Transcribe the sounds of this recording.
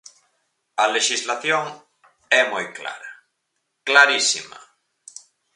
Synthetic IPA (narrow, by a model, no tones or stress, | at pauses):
ɐleʃizlaθjoŋ | ɛmojkla̰ɾa | klaɾisima̰